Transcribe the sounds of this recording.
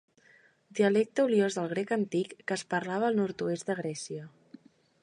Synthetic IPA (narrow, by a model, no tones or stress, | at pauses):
d̪iəlɛk̚t̪əuljozðəlˠɣ̞ɾekənt̪ikːəspəɾlaβəːlˠnɔɾt̪uezd̪əɣ̞ɾɛsiə